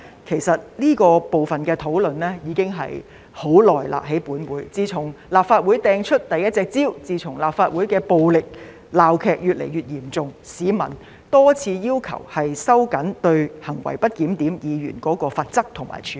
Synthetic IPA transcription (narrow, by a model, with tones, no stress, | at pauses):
kʰe˨˩jsɐ˨t̚liː˥kɔː˧po˨wfɐ˨nkɛː˧t̪ʰo˨˥wlɵ˨nlɛː˥jiː˨˧˥kɪ˥ŋɦɐ̰˨j | ho˨˥wlɔː˨˩jla̰ː˨p̚ɦe˨˥jpuː˨˥nwuː˨˥jt͡siː˧t͡sʰʊ˨˩ŋlaː˨p̚faː˧t̚wu˨˥jt̪ɛː˧ŋt͡ʃʰɵ˥t̚t̪ɐ˨jɐ˥t̚t͡sɛː˧k̚t͡siː˥wt͡siː˧t͡sʰʊ˨˩ŋlaː˨p̚faː˧t̚wuː˨˥jkɛː˧po˨˧wlɪ˨k̚ | laː˨wkʰɛː˨˧k̚jyː˨t̚lḛ˨˩jɥyː˨˩t̚jiː˨˩mt͡sʊ˨ŋsiː˨˥mɐ̰˨˩n | t̪ɔː˥t͡sʰiː˧jiː˥wkʰɐ̰˨˩whɐ˨jsɐ˥wkɐ˨˥nt̪ɵ˧ɥhɐ˨˩ŋwɐ̰˨˩jpɐ˥t̚kiː˨˥mt̪iː˨˥mjiː˨˧jy̰ː˨˩nkɔː˨˥kɔː˧faː˨˧t̚t͡sɐ˥k̚t̪ʰʊ˨˩ŋma̰ː˨˩jt͡ʃʰyː˨˧